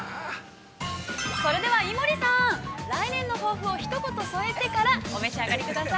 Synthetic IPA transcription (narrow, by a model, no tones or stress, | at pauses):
so̞ɾe̞d̪e̞βaimoɾʲisãɾainẽ̞nːo̞ɦo̞ːɸɯ̟o̞çi̥t̪o̞ko̞t̪o̞soe̞t̪e̞kaɾaome̞ɕiaɡaɾʲikɯk̪asai